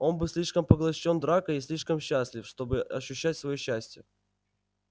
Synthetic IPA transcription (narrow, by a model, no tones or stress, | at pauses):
o̞nbɨsʲlʲiʂkəmpəɡlˠɐɕːo̞nd̪ɾakəisʲlʲiʂkəmɕːæsʲlʲɪfʂt̪o̞bɨɐɕːʉɕːætʲsvɐjoɕːæsʲtʲɪjə